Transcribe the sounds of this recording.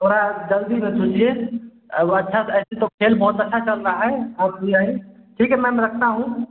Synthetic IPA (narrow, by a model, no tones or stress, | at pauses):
t̪oːɾad͡ʒəld̪imẽsot͡ʃie | ətːʃʰasɛset̪okʰelbɔɦut̪ətːʃʰat͡ʃəlɾəɦaɦɛaːp̚iaɦĩʈʰiːkɦɛmɛ̃meɾəkʰt̪aɦũ